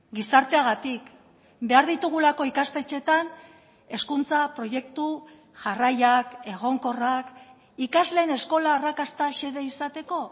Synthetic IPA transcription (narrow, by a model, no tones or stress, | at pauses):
ɡisaɾt̪e̞aɣ̞at̪ik | be̞aɾðit̪uɣ̞ulako̞ikast̪e̞t͡ʃe̞t̪an | e̞skunt͡sapɾo̞je̞kt̪u | ʝarajake̞ɣ̞o̞ŋko̞rak | ikazle̞ːne̞sko̞laːrakast̪aʃe̞ðe̞isat̪e̞ko̞